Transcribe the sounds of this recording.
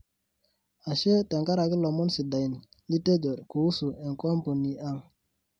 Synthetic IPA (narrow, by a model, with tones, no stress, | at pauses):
a˨ʃe˦tɛ˨ŋɡa˦ɾa˨ki˦lɔ˨mɔ˦nsi˨da˨i˨n˨li˦te˦d͡ʒo˨ɾku˨u˦su˨ɛ˨ŋkɔ˦mpo˨ni˨a˦ŋ